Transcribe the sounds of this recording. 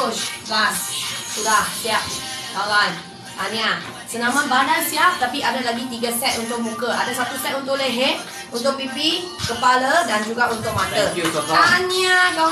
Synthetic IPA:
sɡassudahsiaʔ̚kawan | ʔa̰nĩa | sənãmãnbandansiaft̪apiʔadalaɡit̪iɡasɛt̪unt̪̬ʊk̚mũkəʔa̰dasat̪usɛt̪unt̪ʊʔleɦet̚ | unt̪ʊk̚pipi | kəpalədand͡ʒuɡaʔunt̪ʊk̚mat̪əaniaka

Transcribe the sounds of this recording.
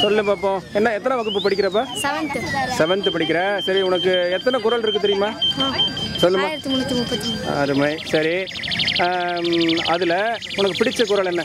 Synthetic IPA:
sɔlːɯmpaːp̬ːõːɛnːaɛt̪ːɐnɐʋɐɣɯpːɯpɐɽɪkːɪɾɐpːaːsɛʋɐnd̪ɯsɛʋɐnd̪ɯpɐɽɪk̬ːɪɾɐsɐɾiʊnɐkːɯɛt̪ːɐnɐkʊɾɐlɪɾɯkːɯt̪ɛɾɪjɯmaːaːsɔlːɯmmaːɾɐt̪ːimʊnɪt̪ːɯmʊpːɐt̪ːiɐɾɯmɐɪsɐɾi | ɐðɯlɐ | ʊnɐkːɯpɪɽɪt͡ʃːɐkʊɾɐlɛnːɐ

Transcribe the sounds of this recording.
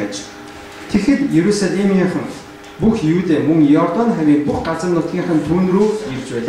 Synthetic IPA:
æt͡ɕ | t̪ʰexɘ̆t̪jeɾusaɮʲemiɴχə̆ŋ | puxjuːt̪eːmɵŋjɔrt̪ɔnχæwʲiːk̚puχɢat͡sə̆rnʊt̪̚ɡʲiːɴχə̆nt̪ʰuːnruːjert͡ɕpæːɮa

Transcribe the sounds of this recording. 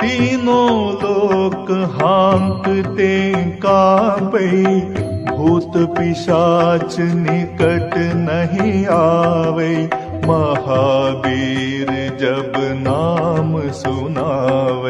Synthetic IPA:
t̪iːnõloːkɦaŋkt̪ekabeɐibʱuːt̪pɪʃaːt͡ʃnɪkəʈnɐɦĩaːʋei | mɐɦaːbiːɾd͡ʒɐbnaːmsʊnaʋe

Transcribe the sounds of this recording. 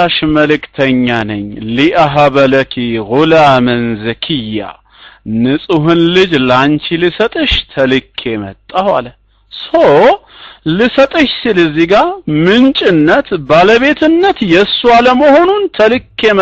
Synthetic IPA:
aʃməlɨkt̪ʰəɲːanɨ̰ɲːliʔaɦaβələkʰiɣulamɨnzɨkʰijːa̰ | nɨsʼuɦɨnlɨd͡ʒlant͡ʃilɨsət̪ʼɨʃt̪ʰəlɨkʰːemə̰t̪ʼːawalə | səw | lɨsət̪ʼɨʃsɨlɨziɡamɨnt͡ʃʼɪnːət̪baləβe̞t̪ʰɨnːət̪jɛsːualəməho̞nunt̪ʰəlɨkʰːe̞m

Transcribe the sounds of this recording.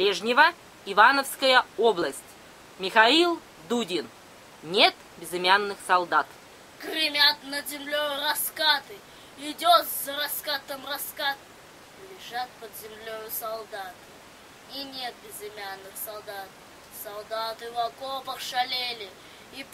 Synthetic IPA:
plʲeʐnʲɪvə | ɪvanəfskəjəoblˠəsʲtʲ | mʲɪxailˠ | d̪udʲɪn | nʲe̞t̪ | bʲɪzɨmʲanːɨxsɐlˠd̪at̪ | ɡ̥ɾʲɪmʲat̪nəzʲɪmlʲojɾɐskat̪ɨ | ɪd̪ʲot̪zɐɾɐskat̪əmrɐskat̪̚ | lʲɪʐat̪̚pəd̪zʲɪmlʲojʊsɐlˠd̪at̪ | inʲe̞t̪̚bʲɪzɪmʲanːɨxsɐlˠd̪at̪̚ | sɐlˠd̪at̪ɨvakopəkʂɐlʲelʲɪ | i

